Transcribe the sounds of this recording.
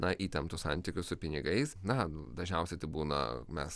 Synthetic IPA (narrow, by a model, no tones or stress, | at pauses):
nɐʔiːt̪ʲɛnt̪ʊːsɐnʲt̪ʲɪkʲʊssʊpʲɪnʲɪɡɐɪsnɐd̪ɐʒʲnʲɛʊsʲɛɪt̪ɐɪbuːnɐ̰mʲɛs